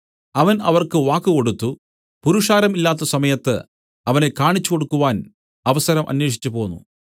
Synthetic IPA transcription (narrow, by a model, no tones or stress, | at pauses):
ɐʋɐnɐʋɐrkɨʋaːkːɨko̞ɽut̪ːu | puɾuʂaːɾɐmilːaːt̪ːɐsɐmɐjɐt̪ːɨ̰ | ɐʋɐne̞kːaːɳit͡ɕːuko̞ɽukːuʋaːn | ɐʋɐsɐɾɐmʔɐ̰nweːʂ̬i̥t͡ɕːupo̞ːnːṵ